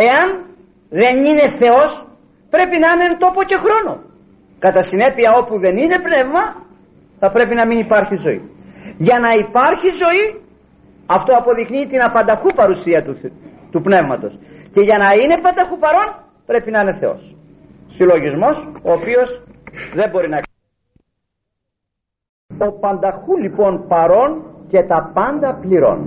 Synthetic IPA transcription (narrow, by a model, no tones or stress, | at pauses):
e̞ɐn | ðe̞nine̞θe̞o̞s | pɾe̞pinɐinent̪o̞po̞ce̞xɾo̞no̞̰ | kɐt̪ɐsine̞piɐo̞puðe̞nine̞pne̞vmɐ | θɐpɾe̞pinɐminipɐɾçizo̞ḭʝɐnɐipɐɾçizo̞i | ɐft̪o̞ɐpo̞ðikniːt̪inɐpɐnd̪ɐxupɐɾusiɐt̪u | t̪upne̞vmɐt̪o̞sce̞ʝɐnɐine̞pɐnd̪ɐxupɐɾo̞n | pɾe̞pinɐine̞θe̞o̞̰s | silo̞ʝizmo̞so̞ːpio̞sðe̞bo̞ɾinɐ | o̞pɐnd̪ɐxulipo̞npɐɾo̞nce̞t̪ɐpɐnd̪ɐpliɾo̞̰n